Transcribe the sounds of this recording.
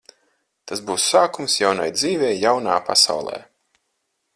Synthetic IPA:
t̪asbuːsːaːkumsjawna̰jd̪ziːvɛjːawnaːpa̰sa̰wlˠɛ̰ː

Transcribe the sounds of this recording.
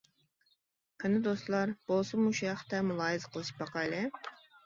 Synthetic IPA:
kʰɪnɨd̪ost̪lˠɑɾb̥olˠsɨmuʃujɑχt̪ɛmulˠɑːjɨzqʰəlˠɨʃbɑqɑjlɪ

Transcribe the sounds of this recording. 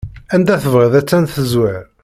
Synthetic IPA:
ænd̪æθəvʁəðæt͡sːænθəzwæɾ

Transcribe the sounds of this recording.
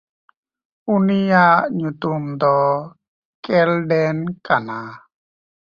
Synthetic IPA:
unijaʔɲut̪umd̪ɔ | kɛlɖɛnkana

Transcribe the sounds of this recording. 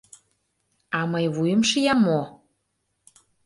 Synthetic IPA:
ɑməjβujəmʃəjɑmːo

